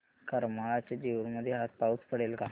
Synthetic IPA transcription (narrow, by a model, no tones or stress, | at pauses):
kəɾmaɭat͡ɕad͡ʑiʋəɳməd̪ʱːjeɦat̪̚paut͡spəɽelka